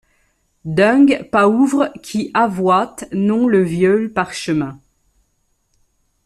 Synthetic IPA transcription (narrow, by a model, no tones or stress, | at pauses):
d̪ɛ̃ɡpauvʁkʲʰiʔavwat̪nɔ̃ləvjɔlpaʁʃəmɛ̃